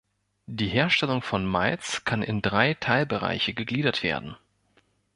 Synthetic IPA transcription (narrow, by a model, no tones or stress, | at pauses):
d̥iːɦeːɐʃtɛlʊŋfɔnmaɪt͡skʰanɪ̰ndʁaɪtʰaɪlbəʁa̰ɪçəɡəɡliːdɐtv̥ḛːɐdn̩